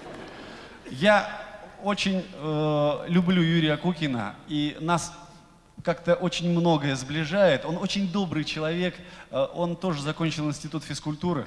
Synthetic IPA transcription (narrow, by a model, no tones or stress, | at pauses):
ja | o̞t͡ɕɪnʲəlʲʊblʲujuɾʲɪjəkukʲɪnə̰inas | kakt̪əʔo̞t͡ɕɪnʲmno̞ɡəjəzblʲɪʐajɪt̪o̞no̞t͡ɕɪnʲd̪o̞bɾɨjt͡ɕɪlˠɐvʲe̞kəʔo̞nt̪o̞ʐɨzɐkonʲt͡ɕɪlˠɪnʲsʲtʲɪt̪ut̪fʲɪskʊlʲt̪uɾɨ̰